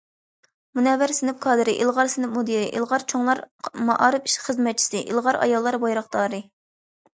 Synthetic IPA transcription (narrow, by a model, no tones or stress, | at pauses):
munɛvɪɾsɪnɪp̚kʰɑːd̪ɨɾɪʔilˠʁɑɾsɪnɪp̚mud̪iɾɪʔḭlˠʁɑɾt͡ʃʰoŋlˠɑɾmɑʔɑːɾɨpi̥ʃχəzmɛt̪̚t͡ʃʰi̥sɪʔilˠʁɑɾɑ̰jɑlˠːɑɾbɑjɾɑχd̪ɑːɾɨ